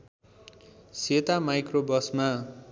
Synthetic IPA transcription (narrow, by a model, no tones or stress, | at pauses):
set̪amajkrobʌsma